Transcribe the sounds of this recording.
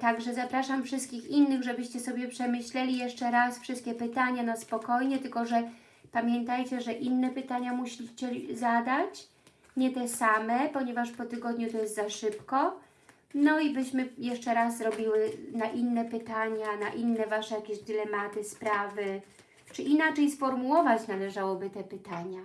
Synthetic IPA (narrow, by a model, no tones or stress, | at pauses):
t̪aɡʐɛzapɾaʂamfʂɘst̪kʲixinːɘɣʐɛbɘɕt͡ɕɛsɔbʲjɛpʂɛmɘɕlɛlʲijɛʂt͡ʂɛɾasfʂɘst̪̚kʲɛpɘt̪aɲanɔspɔkɔjɲɛt̪ɘlkɔʐɛ | pamʲjɛnt̪ajt͡ɕɛʐɛʔinːɛpɘt̪aɲamuɕʲit͡ɕɛzad̪at͡ɕ | ɲɛt̪ɛsamɛpɔɲɛvaʂpɔt̪ɘɡɔd̪ɲut̪ɔjɛst̪zaʂɘpkɔ | nɔibɘɕmɘjɛʂt͡ʂɛɾazzɾɔbʲiwɘnaʔinːɛpɘt̪aɲanaʔinːɛvaʂɛjakʲeʑd̪ɘlɛmat̪ɘspɾavɘ | t͡ʂɘʔinat͡ʂɛjsfɔɾmuwɔvat͡ɕnalɛʐawɔbɘt̪ɛpɘt̪aɲa